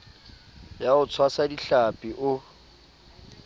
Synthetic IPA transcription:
jaʊt͡sʰwasadiɬapʼiʔʊ

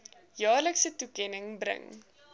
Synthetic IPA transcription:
jɑːrləksətukɛnəŋbɾə̰ŋ

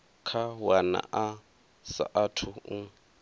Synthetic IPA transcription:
kʰawana̰ʔa | sa̰ʔatʰʊ

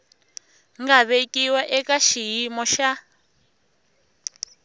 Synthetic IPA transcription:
ŋɡaβekʼiwaʔɛkaʃijimɔʃa

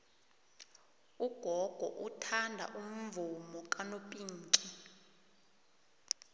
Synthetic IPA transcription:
uɡ̥ʱɔɡ̥ʱɔ̰ʔutʰandʱa̰ʔum̩vumɔkʼanopʼiːŋkʼi

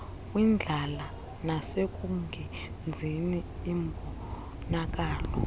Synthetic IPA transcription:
wind͡ɮʱala | nasek̬ʼuŋɡʱɛ | nd͡zʱiniːmbʱɔ | nak̬ʼaːlɔ

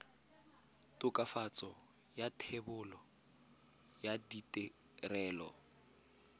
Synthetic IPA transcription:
tʼʊkʼafat͡sʼɔ | jatʰebʊlɔ | jaditʼɛ | rɛːlɔ̰

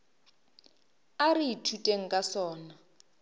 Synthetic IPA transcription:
ariitʰutʼeŋ̩kʼasɔːna

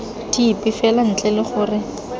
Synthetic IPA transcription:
diːpʼɪfɛlan̩t͡ɬʼɛlɪχʊːrɪ

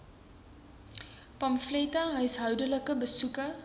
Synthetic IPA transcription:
pɐmfletaɦəjsɦəwdələkəbəsukə

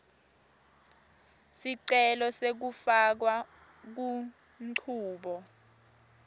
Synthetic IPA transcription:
siǀɛlɔsek̬ufak̬wa | k̬u | m̩ǀʰuːɓɔ

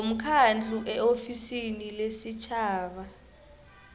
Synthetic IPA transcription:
om̩kʰand͡ɮʱʼuʔɛofisinilesit͡ʃʰaːɓa

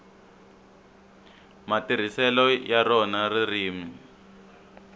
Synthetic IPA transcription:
matir̤isɛlɔjarɔnaririːmi

